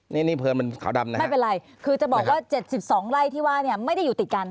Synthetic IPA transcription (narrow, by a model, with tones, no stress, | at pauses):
ni˦˥˩niː˥˩pʰɤː˧nma˧nkʰa̰˨˩˦wda˧mna˦ma˥˩jpe˧nɾa˧j | kʰɯː˧t͡ɕa˨˩bɔː˨˩k̚waː˥˩t͡ɕe˨˩t̪̚si˨˩p̚sɔː˩˦ŋɾa˧˩jt̪ʰiː˥˩waː˥˩ni˥˩ɐma˥˩jda˥˩juː˨˩t̪i˨˩t̪̚ka˧n